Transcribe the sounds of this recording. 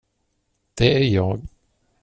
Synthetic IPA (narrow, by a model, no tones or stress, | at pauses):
d̪̥ɛæɾjɑːɡ